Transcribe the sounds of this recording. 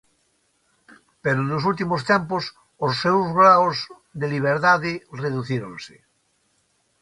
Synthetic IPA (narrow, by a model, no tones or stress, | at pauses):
peɾonosult̪̬imost̪empos | osːewzɣɾawz | ðeliβ̞eɾt̪aðereðuθiɾõ̰nse̥